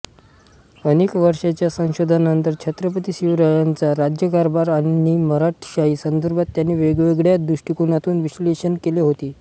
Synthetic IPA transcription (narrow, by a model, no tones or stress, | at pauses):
ənekʋəɾʂat͡ɕjasə̃w̃ɕod̪ʱanənt̪əɾt͡ɕʰət̪ɾəp̬ət̪iːɕiʋɾəjant͡saɾad͡ʑjəkaɾbaɾaiməɾaʈʰɕaiːsənd̪əɾbʱat̪ːjanːiːʋeɡʋeɡɭjad̪uʂʈikunat̪uːnʋisleɕənkeleɦot̪iː